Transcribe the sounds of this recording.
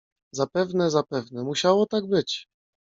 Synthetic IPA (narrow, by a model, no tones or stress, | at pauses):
zapɛvnɛzapɛvnɛmuɕawɔt̪aɡ̚bɘt͡ɕ